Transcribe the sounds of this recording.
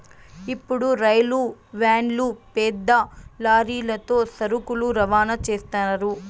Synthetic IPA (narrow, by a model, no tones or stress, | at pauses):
ipːuɽuɾɐjluʋaːɳlupɛːd̪ːɐlaːɾiːlɐt̪o̞ːsɐɾukuluɾɐʋaːnɐt͡ʃeːst̪aːnɐɾu